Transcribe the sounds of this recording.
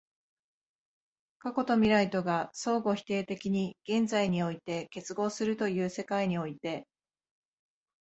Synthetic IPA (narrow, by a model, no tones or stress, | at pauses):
kako̞t̪o̞mʲiɾait̪o̞ɡaso̞ːɡo̞çi̥t̪e̞ːt̪e̞kʲiɲ̟iɡ̥ẽ̞nzaiɲ̟io̞it̪e̞ke̞t͡sɨɡo̞ːsɨɾɯ̟t̪o̞jɯ̟ːse̞kaiɲ̟io̞it̪e̞